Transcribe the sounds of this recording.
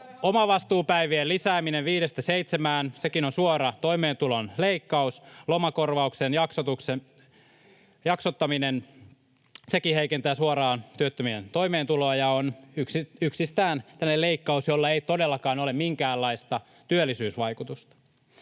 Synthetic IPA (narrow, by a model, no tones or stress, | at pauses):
omɑʋɑst̪uːpæiʋieːlisæːmineʋʋiːɾest̪æseit̪semæːnsekinonsuoɾɑt̪o̞imeːnt̪ulonleikːɑuslomɑkorʋɑuksenjɑksot̪ukse | jɑksot̪ːɑminen | sekiheikent̪æːsuorɑːnt̪yøt̪ːømient̪o̞imeːnt̪uloɑjɑonyksiyksist̪æːnt̪ænːeleikːɑusjolːɑeit̪odelːɑkɑːnolemiŋkæːlːɑist̪ɑ | t̪yølːˑisyːsʋɑjkut̪ust̪ɑ̥